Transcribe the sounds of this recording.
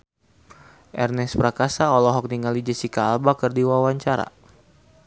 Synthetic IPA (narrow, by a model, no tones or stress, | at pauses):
ʔɛrnɛspɾakasaɔlɔɦɔk̚niŋalid͡ʒəsikaːlbakərdiwawaɲt͡ʃaɾa̰